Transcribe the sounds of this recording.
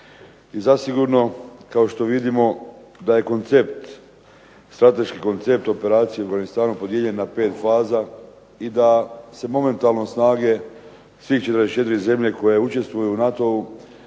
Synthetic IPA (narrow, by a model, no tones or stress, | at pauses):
izasiɡuɾno̞kao̞ʃt̪o̞ʋid̪imo̞ | d̪aje̞ko̞nt̪se̞pt̪ | st̪ɾat̪e̞ʃkiko̞nt̪se̞p̚t̪o̞pe̞ɾaːt̪sijeuafɡanist̪aːnupo̞d̪jeʎe̞nːape̞ːt̪faːza | id̪ase̞mo̞me̞nt̪aːlˠno̞snaːɡe̞ | sʋiːxt͡ʃt̪ɾd̪est͡ʃe̞t̪iɾize̞mʎe̞ko̞je̞ut͡ʃe̞st̪ʋujuːnat̪o̞u